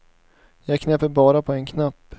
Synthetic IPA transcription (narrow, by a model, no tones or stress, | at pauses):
jɑːɡkʰnɛpːəɾbɑːɾapʰɔɛnkʰnapː